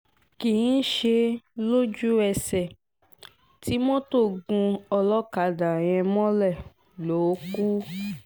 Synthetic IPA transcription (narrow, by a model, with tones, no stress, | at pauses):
kĩ˨˦ʃe˧lo˦d͡ʒu˦ɛ˧sɛ˨ | ti˨˦mɔ̃˦to˦˨ɡũ˧ɔ˧lɔ˦ka˧˨da˨j̃ɛ̃˧mɔ̃˦lɛ˦˨ | lo˨˦ku˦